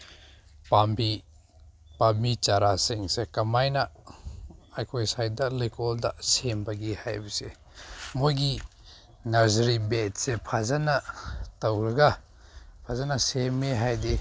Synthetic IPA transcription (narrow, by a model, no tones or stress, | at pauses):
pambi | pamit͡ʃaɾasiŋsekɐmajnɐ | ajkʰojsajdɐlikoldɐ̰sembɐɡihajbɐsḛ | mojɡi | nɐɾzɐɾibet̚sepʰazanɐtɐwɾɐɡɐ | pʰazanɐsemːeɦajdi